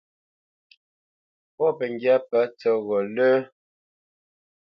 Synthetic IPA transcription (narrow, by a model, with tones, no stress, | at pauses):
pɔ˦pə˨ŋ˨ɡja˦pə˨˦t͡sɔ˦ɣɔ˨ləː˦